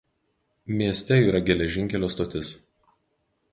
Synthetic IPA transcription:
mʲiɛsʲt̪ʲɛiːɾɐɡʲɛlʲɛʒʲɪŋʲkʲɛlʲoːst̪ot̪ʲɪs

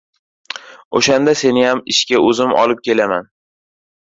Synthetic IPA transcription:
o̰ʃand̪ase̞nɪjamɪʃkʲaɵzɪmɒ̰lɪp̚kʲʰe̞laman

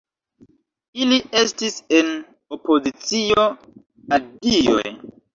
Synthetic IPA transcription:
ilie̞stise̞n | opo̞zit͡sio̞ | adio̰j

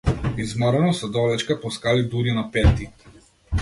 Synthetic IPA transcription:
izmaɾanɔsɛd̪ɔlɛt͡ʃkapɔskalid̪uɾinapɛt̪i

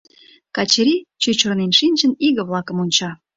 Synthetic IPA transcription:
kɑt͡ɕɾʲit͡ɕut͡ɕornenʃinʲt͡ɕəniɣə̆βlɑkəmunʲt͡ɕɑ

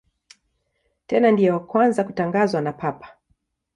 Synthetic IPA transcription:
tɛnandijɛwakwanzakutaŋɡazwanapʰapḁ

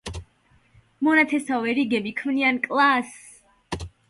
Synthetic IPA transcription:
mɔnat̪ʰɛsavɛɾiɡɛbikʰmniankʼlˠas

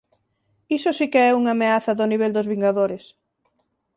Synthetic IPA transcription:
isosikeɛuŋameaθɐðʊniβ̞ɛld̪ozβiŋɡaðoɾes

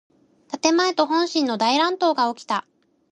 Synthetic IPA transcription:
t̪at̪e̞maet̪o̞ɦõ̞ɰ̃ɕĩnːo̞d̪aiɾãnt̪o̞ːɡao̞kʲi̥t̪a

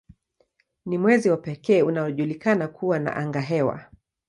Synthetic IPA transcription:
nimwɛziwapɛkɛːunaɔʄulikanakʰuwana̰ʔaŋɡaɦɛwa̰

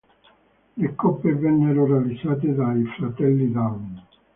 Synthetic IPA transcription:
lekɔpːevɛnːeɾorealid̪zsːaːt̪̬ed̪aifɾat̪ɛlːid̪awn

